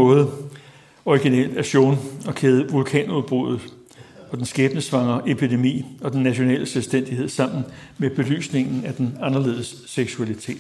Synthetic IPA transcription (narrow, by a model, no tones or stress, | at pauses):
ɔ̽ːð̩ˠ | ɒiɡ̥inɛ̰ld̥æɕo̝̰ːnɒ̽kʰeːð̞ˠəʋulkʰɛ̰ːnuðˠb̥ʁo̝ðˠð̩ˠ | ɒ̽d̥ensɡ̥ɛːb̥nəsʋɑ̈ŋɐʔe̝pʰid̥e̝mḭːɒ̽d̥enːæɕo̝nɛ̰ːlʔəselsd̥en̰d̥iɦe̝ð̞̰ˠsɑ̈m̰n̩ | meb̥e̝ly̰ːsne̝ŋn̩æd̥enɑ̈nɐle̝̰ːðˠəsːeɡ̥suælit͡sʰe̝̰ːd̥